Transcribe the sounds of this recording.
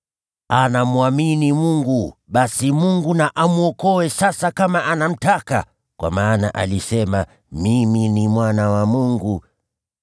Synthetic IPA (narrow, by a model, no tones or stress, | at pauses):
anamuaminimuŋɡuɓasimuŋɡunaʔamuɔkɔwɛsasakamaʔanam̩taka̰ | kwa̰maːna̰ʔa̰lisɛma | miminimwanawamuŋɡu